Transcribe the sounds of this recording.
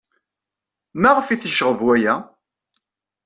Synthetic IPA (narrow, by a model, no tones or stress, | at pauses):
mæʁfiθiʃəʁəvwæjæ